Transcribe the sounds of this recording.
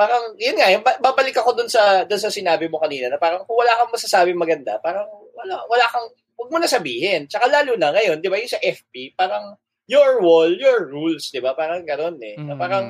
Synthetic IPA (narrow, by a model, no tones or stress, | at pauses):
paːɾɐŋjʊnŋaʔbɐbaːbɐlɪkɐko̞d̪ʊnsɐd̪ʊnsɐsɪnaːbɪmo̞kɐniːnɐnɐpaːɾɐŋkʊŋwɐlaːkɐŋmɐsɐsaːbɪŋmɐɡɐnd̪a̰paːɾɐŋwɐlawɐlakɐŋ | wɐɡ̚monɐsɐbiːhɪnt͡ʃɐkalaːlunɐŋɐjo̞nd̪ɪbajʊnsɐʔɛfpipaːɾɐŋ | joɹwoljoɹːulsd̪ɪbapaːɾɐŋɡɐno̞nɛnɐpaːɾɐŋ